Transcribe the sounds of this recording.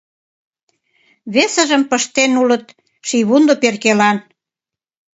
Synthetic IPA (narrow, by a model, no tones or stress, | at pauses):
βesə̆ʒəmpəʃt̪enulət̪̚ | ʃiβund̪operkelɑn